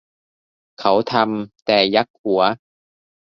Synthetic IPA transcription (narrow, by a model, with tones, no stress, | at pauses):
kʰɐ˨˥wt̪ʰɐ˧mt̪ɛː˨˧jɐ˦˥k̚uː˨˦ɐ